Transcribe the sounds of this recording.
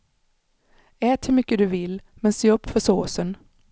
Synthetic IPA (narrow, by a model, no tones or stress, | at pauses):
ɛːt̪ʰhɪlmʏkːəd̪ɵvɪlmɛnseːɵpːfœsoːsən